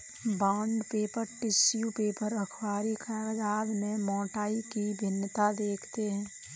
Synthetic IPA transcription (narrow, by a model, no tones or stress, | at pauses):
bãːɳɖpeːpəɾʈɪsjupeːpəɾəkʰwaːɾikʰɛɾd̪aːd̪mẽmɔ̃ːʈaːikibʱɪnːət̪ad̪eːkʰt̪eɦɛ̃ː